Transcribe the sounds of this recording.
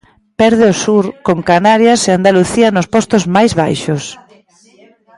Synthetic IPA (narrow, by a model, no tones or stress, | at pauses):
pɛɾðɪosuɾkoŋkanaɾjaseand̪aluθiɐnʊspɔst̪ozmajzβajʃos